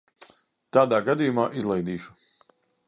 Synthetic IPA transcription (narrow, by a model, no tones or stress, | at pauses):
t̪aːd̪aːɡad̪ijumaːʔizlˠɛjd̪iːʃu̥